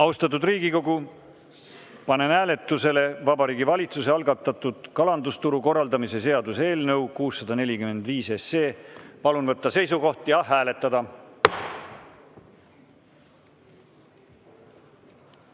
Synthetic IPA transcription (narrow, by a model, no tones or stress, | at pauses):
ɑwst̪ɑt̪̬ːud̪riːɡ̥iko̞ɡu | pɑne̞næːle̞t̪ːˑuse̞le̞vɑbɑɾiːɡivɑlʲit̪suse̞ɑlɡɑt̪ːˑɑt̪ːˑud̪̥kɑlɑnd̪ust̪uɾuko̞rːɑld̪ɑmise̞se̞ɑd̪use̞ːlnɤ̞wkuːsːɑd̪ɑne̞lʲikyme̞nd̪̥viːse̞sːe̞ːpɑlunvɤt̪ːɑse̞jsuko̞ht̪jɑɦæːle̞t̪ːˑɑd̪ɑ